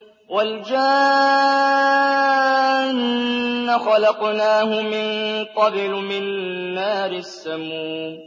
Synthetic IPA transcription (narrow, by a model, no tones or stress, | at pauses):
wald͡ʒa | nːaxɑlɑqnaːhʊmɪnqɑbɪlmɪnaanːaːɾɪsːamuː